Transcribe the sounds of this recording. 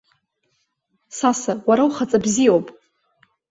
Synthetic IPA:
sasawaɾawχat͡sʼabzijowpʼ

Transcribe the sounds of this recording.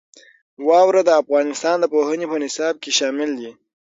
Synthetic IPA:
wɑwɾad̪əafɣɑnɪst̪ɑnd̪əpohənepənɪsɑb̚keʃɑmɪld̪i

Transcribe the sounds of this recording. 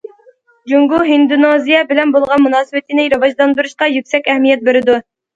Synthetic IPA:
d͡ʒuŋɡuɦind̪unozijɛbɪlɛnbolˠʁɑnmunɑːsɨwɪt̪ʰɪnɪɾɑvɑʒd̪ɑnb̪ɨɾɨʃqɑjykʲsɛkʲɛhmijɛt̪̚beɾɪd̪u

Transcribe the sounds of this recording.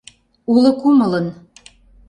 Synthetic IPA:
ulə̆kumələ̆n

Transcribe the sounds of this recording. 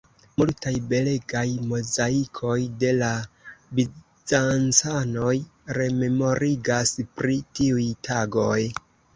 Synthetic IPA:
multajbe̞le̞ɡajmo̞zaikʰo̞jde̞labi | zant͡sano̞jɾe̞me̞mo̞ɾiɡaspɾitiujtʰaɡo̞j

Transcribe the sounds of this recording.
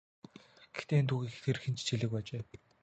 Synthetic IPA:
ɡ̥e̥xt̪eːint̪ʰuːɣixt̪ʰerxɘ̆nt͡ɕt͡ɕʰiɮɘ̆k̚pæːt͡ɕeː

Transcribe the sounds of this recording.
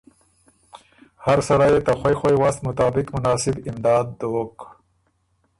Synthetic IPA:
haɾsaɽajet̪axwajxajwast̪mʊt̪ɑːbɪkmʊnɑːsɪbɪmd̪ɑːd̪̚ːoːk

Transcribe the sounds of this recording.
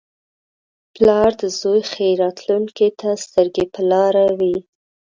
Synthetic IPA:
plɑɾd̪əzojxejɾɑt̪luŋket̪ast̪əɾɡepəlɑɾawi

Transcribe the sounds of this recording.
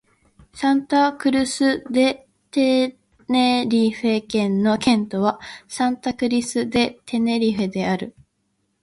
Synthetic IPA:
sãnt̪akɯ̟ɾɯ̟sɨd̪e̞ | t̪e | neɾʲiɸe̞kẽ̞nːo̞kẽ̞nt̪o̞βasãnt̪akɯ̟ɾʲisɨd̪e̞t̪ʰe̞ne̞ɾʲiɸed̪e̞aɾɯ̟

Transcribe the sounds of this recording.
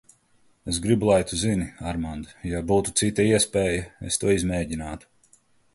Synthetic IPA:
esɡɾibulˠajt̪uziniaɾmand̪jabuːt̪ut̪sit̪ɐiɛspʲɛːjɐḛst̪uɔizmɛːɟinaːt̪u̥

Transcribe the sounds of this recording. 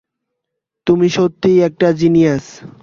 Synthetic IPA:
t̪umiʃot̪ːijɛk̚ʈad͡ʑinijas

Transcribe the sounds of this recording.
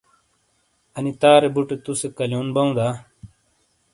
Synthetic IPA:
ɐnit̪aːɾebuʈet̪usekɐljoːnbɐũd̪aː

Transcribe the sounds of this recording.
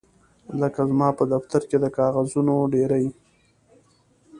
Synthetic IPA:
ləkazmɑpəd̪aft̪aɾked̪əkɑɣazunoɖeɾaj

